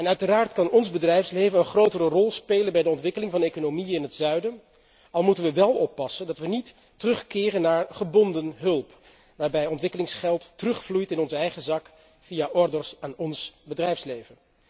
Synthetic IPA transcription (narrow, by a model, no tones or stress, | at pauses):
ɛnœɥtəraːɹtkɑnɔnzbədrɛjfslejvənənχrowtərərɔlˠspejlənbɛjdəɔntʋɪkəlɪŋvɑndəejkonowmiɪnɦətsœɥdən | ɑlˠmutənʋəʋɛlˠɔpːɑsəndɑtʋənitː | ərɵχkɪːrənːaːɹχəbɔndənɦɵlˠp | ʋaːɹbɛjɔntʋɪkəlɪŋsχɛlˠtːərɵχflujtɪnɔnzəɛjχəzɑk | fijaʔɔɹdərsaːnɔnsbədrɛjfslejvən